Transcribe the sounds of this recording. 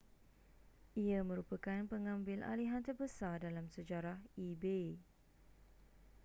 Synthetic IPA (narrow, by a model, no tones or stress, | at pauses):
ʔiamə̃ɾupakanpəŋãmbɪlʔa̰liɦant̪ərbəsardalamsəd͡ʒaɾahibe